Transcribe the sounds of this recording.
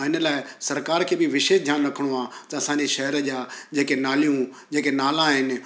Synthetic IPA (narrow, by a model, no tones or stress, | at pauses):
ɪnə̆laːɪsɐɾkaːɾkʰeːbɪʋɪʃeːʃd̪ʱjaːnɾɐkʰəɽ̃oãːt̪ɐɐsãːɲd͡ʑeʃɐɦəɾəd͡ʑaːd͡ʑeːkenaːlijũ | d͡ʑeːkenaːlãɦɪnɪ̆